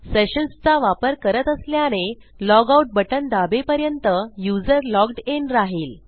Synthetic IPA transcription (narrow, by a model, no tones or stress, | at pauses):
seɕənst͡saʋapəɾkəɾət̪əsljaɽ̃e | lɔɡauʈ̚bəʈənd̪abepəɾjənt̪əjud͡zəɾlɔɡɖenɾaɦiːl